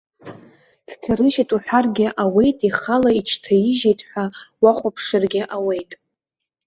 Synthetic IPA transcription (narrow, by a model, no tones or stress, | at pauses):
tʰtʰarɨʃatʼuħʷᶣarɡʲɪʔawe̞jtʼiχalait͡ʃʰtʰaiʒejtʼħʷawaχʷapʰʂarɡʲɪʔawe̞jtʼ